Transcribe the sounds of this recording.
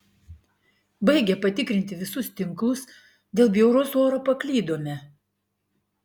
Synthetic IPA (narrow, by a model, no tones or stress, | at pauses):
bɐɪɡʲɛpɐt̪ʲɪkɾʲɪnʲt̪ʲɪʋʲɪsʊst̪ʲɪŋklˠʊs | d̪ʲeːlˠbʲjɛʊɾosoːɾopɐklʲiːd̪oːmʲɛ